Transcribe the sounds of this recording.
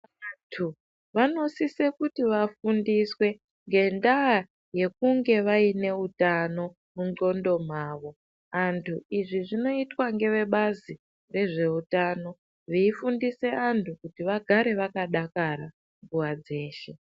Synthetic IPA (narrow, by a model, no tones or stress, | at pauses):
atʰu | ʋano̞sise̞kutiʋafundiswe̞ | ŋɡe̞ndaː | je̞kuŋɡe̞ʋaine̞utano̞ | muo̞ndo̞m̤aːʋo̞ | antʰuiʐiʐino̞itwaŋɡe̞ʋe̞ɓazi | re̞ʐe̞utaːno̞ | ʋiifundise̞antʰukutiʋaɡʱaɾe̞ʋakaɗakaɾa | ɱɡuwad͡ze̞ːʃe̞